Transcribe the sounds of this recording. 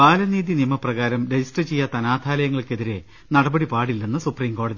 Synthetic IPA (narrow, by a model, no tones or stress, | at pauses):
paːlɐniːðinijmɐprɐɣaːɾɐmɾed͡ʑisʈrɐt͡ɕejːɐt̪ɐnaːd̪ʱaːlɐjɐŋːɐɭke̞ðiɾe̞ | nɐɽɐbɐɽipaːɽilːenːɐsupriːmko̞ːɽɐði